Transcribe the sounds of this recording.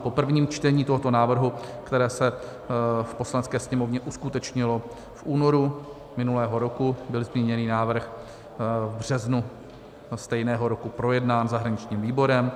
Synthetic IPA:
po̞pr̩vɲiːmt͡ʃt̪ɛɲiːt̪oɦo̞t̪o̞naːvr̩ɦukt̪ɛɾɛːsɛ | fpo̞slanɛt͡skɛːsɲɛmo̞vɲɛʔuskut̪ɛt͡ʃɲɪlo̞ | fʔuːno̞ɾu | mɪnulɛːɦo̞ɾo̞kubɪlzmɲiɲɛniːnaːvr̩x | vbr̝̥ɛznu | st̪ɛjnɛːɦo̞ɾo̞kupɾo̞jɛdnaːnzaɦɾaɲɪt͡ʃɲiːmviːbo̞ɾɛm

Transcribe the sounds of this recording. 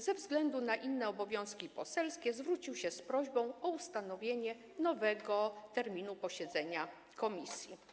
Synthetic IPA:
zɛvzɡlɛnd̪unaʔinːɛɔbɔvʲjɔ̃w̃skʲipɔsɛlskʲɛzvɾut͡ɕiwɕɛspɾɔʑbɔ̃w̃ɔust̪anɔvʲjeɲɛ | nɔvɛɡɔt̪ɛɾmʲinupɔɕɛd̪zɛɲa | kɔmʲisʲji

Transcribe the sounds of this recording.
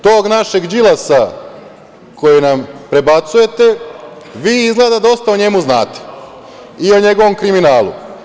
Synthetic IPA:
t̪o̞ːɡnaʃe̞ɡd͡ʒilasa | ko̞jinampɾe̞bat̪suje̞t̪e̞ | ʋiːizɡlˠeːd̪ad̪o̞st̪aoɲe̞muznaːt̪e̥ | ioɲe̞ɡo̞ʋo̞mkɾiminaːlˠṵ

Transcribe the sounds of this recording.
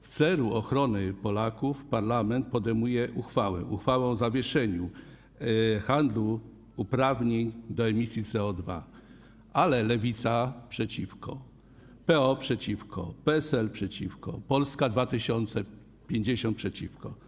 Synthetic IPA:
ft̪sɛluɔxɾɔnɘpɔlakufpaɾlamɛnt̪̚pɔd̪ɛjmujɛʔuxfawɛ̰ʔuxfawɔ̃w̃zavʲjɛʂɛɲu | xand̪luː | pɾavɲeɲd̪ɔɛmʲisʲjit̪sɛɔd̪va̰ | alɛlɛvʲit̪sapʂɛt͡ɕifkɔ̰ | pɛɔpʂɛt͡ɕifkʰɔ̰pɛɛsɛlpʂɛt͡ɕifkɔ̰pɔlskad̪vat̪ɘɕɔnt̪sɛ | pʲjeɲd͡ʑeɕɔnt̪pʂɛt͡ɕifkɔ

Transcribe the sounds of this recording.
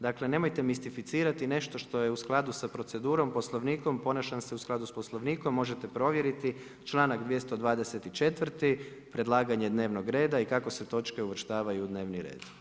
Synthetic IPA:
d̪akle̞ne̞mojt̪e̞mist̪ifit̪siːɾat̪ine̞ʃt̪o̞ʃt̪o̞je̞usklˠad̪usapɾo̞t̪se̞d̪uːɾo̞mpo̞slˠo̞ʋniːko̞mpo̞naʃanse̞usklad̪uspo̞slˠo̞ʋniːko̞mːo̞ʒe̞t̪e̞pɾo̞ʋje̞ɾit̪i | t͡ʃlˠaːnaɡd̪ʋje̞st̪o̞d̪ʋaːd̪e̞se̞t̪it͡ʃe̞t̪ʋrt̪ipɾe̞d̪lˠaːɡaɲe̞d̪ne̞ːʋno̞ɡɾe̞ːd̪aikako̞se̞t̪o̞t͡ʃke̞uʋr̩ʃt̪aːʋajuːd̪ne̞ːʋniɾe̞̰ːd̪̥

